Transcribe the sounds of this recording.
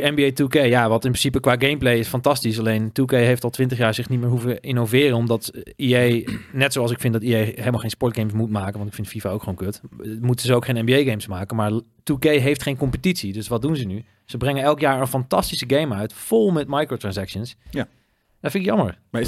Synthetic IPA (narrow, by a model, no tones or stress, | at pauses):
ɛmbiejtukejjaʋɑtɪnprɪnsipəkʋaːɡejmplejɪsfɑntɑstisɑlejntukejɦejftɑlˠtʋɪntəχjaːɹzɪχnit̚mɪːɹɦuvəʔɪnovɪːrənɔmdɑtiejnɛtsowɑlˠsɪkfɪndɑtiejɦejləmalˠχejnspɔɹd̚ɡejmsmutmaːkənʋɑntɪkfɪntfivaːowkχəʋoːwnkøtmutənzəowkχẽjnɛmbiejɡejmsmaːkənmaːɹ | tukejɦejftχejnkɔmpətitsidɵsʋɑd̚dunzəny | z̥əbrɛŋənɛlˠkjaːɹənfɑntɑstisəɡejmœɥtfʊlˠmɛtmɑjkrotrɹɑnsɛkʃəns | dɛnfɪnɪkjɑmə̰ɹ